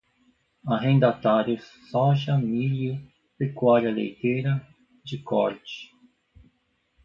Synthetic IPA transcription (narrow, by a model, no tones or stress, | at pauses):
aɦẽnd̪at̪aɾjʊsfaʒɐmilu | pɾekwaɾjɐlḛjt̪ejɾɐ | d͡ʒɪkʰɔ̰ɾt͡ʃɪ̥